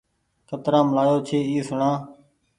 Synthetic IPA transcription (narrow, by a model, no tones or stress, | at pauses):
kʰət̪ɾãːmlaːjoːt͡ʃʰeːiːsʊɳãː